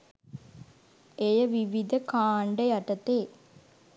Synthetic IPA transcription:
ejəʋiʋid̪ɐkaːɳɖəjɐʈɐt̪eː

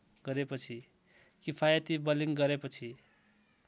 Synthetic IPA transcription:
ɡʌɾepʌt͡sʰi | kipʰajʌt̪ibʌliŋɡʌɾepʌt͡sʰi

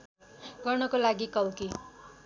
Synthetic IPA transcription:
ɡʌrnʌkolaɡikʌwki

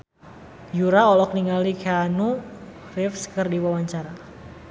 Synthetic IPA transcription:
juɾaɔlɔk̚niŋalikʰeanu | rɪfskərdiwawaɲt͡ʃaɾa

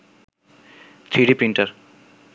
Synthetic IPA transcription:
t̪ʰɾiɖipɾiɳʈaɾ

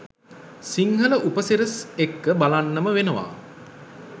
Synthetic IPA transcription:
siŋɦələʔupəsiɾəsekːəbalanːəməʋenəʋa̰ː

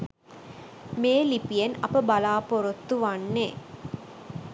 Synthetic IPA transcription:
meːlipijenɐpəbalaːpoɾot̪ːuʋanːe

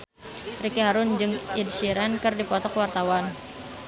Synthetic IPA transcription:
rikiɦaɾʊnd͡ʒɨŋidsiɾɛnkɨrdipɔt̪ɔkwart̪awan

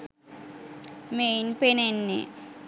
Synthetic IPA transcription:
mejnpenenːḛ

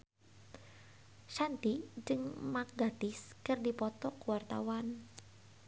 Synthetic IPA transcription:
ʃant̪id͡ʒɨŋmak̚ɡat̪ɪskɨrdipɔt̪ɔkuwart̪a̰wan

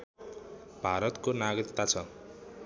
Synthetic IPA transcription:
b̥ʱaɾʌt̪konaɡrit̪ːat͡sʰʌ

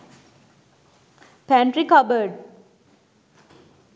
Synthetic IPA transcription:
pɛ̃ɳʈɾikʌbəɾɖ

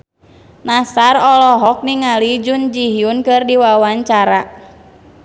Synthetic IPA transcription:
nasarɔlɔɦɔk̚niŋalid͡ʒund͡ʒiɦjunkɨrdiwawaɲt͡ʃaɾa

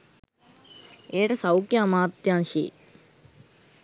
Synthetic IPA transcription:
eːʈɐsɐwkjaːmaːt̪jaːnʃḭ

